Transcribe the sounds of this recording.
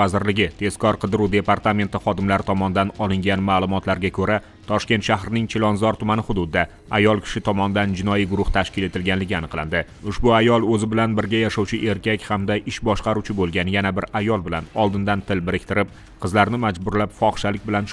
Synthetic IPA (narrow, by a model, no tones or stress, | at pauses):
azɪɾlɪɡʲɪt̪ʰe̞skʰɒɾqʰɨd̪ɾud̪e̞paɾt̪ame̞nt̪ɪχɒd̪ɪmlaɾɪt̪ʰɒmɒnɪd̪anɒlɪŋɡʲanmaːlˠʊmɒt̪laɾɡʲakʰɵɾa | t̪ʰɒʃkʲe̞nt̪ʃahɾɪnɪŋt͡ʃʰelˠɒnzɒɾt̪ʰʊmanɪχʊd̪ʊd̪ɪd̪a | ajɒlˠkʲʰɪ̥ʃɪt̪ʰɒmɒnɪd̪and͡ʒɪnɒjiɡʊɾʊht̪ʰaʃkʲɪle̞t̪ɪlɡʲanlɪɡʲɪanɨqlˠa̰nd̪ɪ | ʊʃbʊajɒlˠɵzɪbɪlanbɪɾɡʲajaʃɒwt͡ʃʰɪʔe̞ɾkʲakʲhamd̪aʔɪʃbɒʃqɑɾuwt͡ʃʰɪbolˠɡʲanɪjanabɪɾajɒlˠbɪlanɒlˠd̪ɪnd̪ant̪ʰɪlbɪɾɪkʲt̪ɪɾɪp̚ | qʰɨzlaɾnɪmad͡ʒbʊɾlapfɒχʃalɪkʲbɪlanʃ